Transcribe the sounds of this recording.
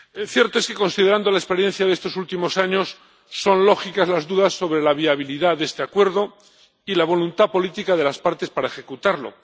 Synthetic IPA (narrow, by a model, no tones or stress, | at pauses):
θje̞ɾt̪o̞eske̞ko̞nsið̞e̞ɾand̪o̞laespe̞ɾje̞nθjaðest̪osult̪imo̞saɲo̞sː | o̞nlo̞xikazlazðuðasːo̞βɾe̞laβ̞iaβ̞iliðaðe̞st̪e̞akwe̞ɾðo̞ | ilaβ̞o̞lunt̪apo̞lit̪ikaðe̞laspaɾt̪e̞spaɾaexe̞kut̪aɾlo̞̰